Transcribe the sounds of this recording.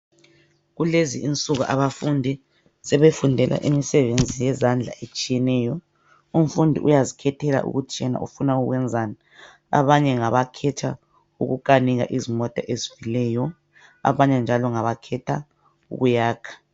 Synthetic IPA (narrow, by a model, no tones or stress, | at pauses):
ɣuleziʔint͡sʼuɣuʔaβafundʱi | sɛβefundʱɛlʔa̰ʔimisɛβend͡zʱijɛzand͡ɮʱa̰ʔet͡ʃʼijɛnɛːjɔ | um̩fundʱḭʔujazikʰɛtʰɛla̰ʔṵɣut͡ʃʰʼiɛna̰ʔṵfunauɣwɛnd͡zʱaːna | a̰βaɲɛŋaβakʰɛtʰa | uɣuk̬ʼaniɣa̰ʔizimɔtʼaʔezivilɛːjɔ | a̰βaɲɛnd͡ʒʱalɔŋaβakʰɛtʰa | ṵɣujaːkʰḁ